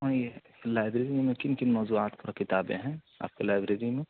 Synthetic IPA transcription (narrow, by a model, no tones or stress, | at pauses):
ãje | laːɪbɾeːɾijmẽkɪnkɪnmɔːzuaːt̪pʊɾakɪt̪aːbḛ̃ɦɛ̃ | a̰ːp̚kelaːɪbɾeːɾimẽ